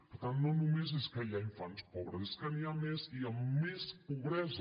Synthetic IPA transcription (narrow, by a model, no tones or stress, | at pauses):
pəɾt̪anːnonumezeskəʎaiɱfanspɔβɾəeskəniameziəmːespuβɾɛz